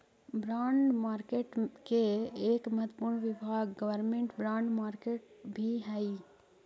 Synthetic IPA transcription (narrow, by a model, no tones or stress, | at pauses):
bɾaːɳɖmaːɾkeːʈkeeːkmɐɦət̪ːəpuɾɳʋɪbʱaːɡɡəʋəɾmẽɳʈbɾãːɳɖmaːɾkeːʈ̚bʱiɦɛi